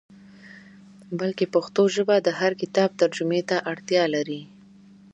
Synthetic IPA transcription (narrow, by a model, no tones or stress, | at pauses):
balkepaxt̪oʒəbad̪əɦaɾkɪt̪ɑb̚t̪aɾd͡ʒʊmet̪aʔaɽt̪jɑlaɾi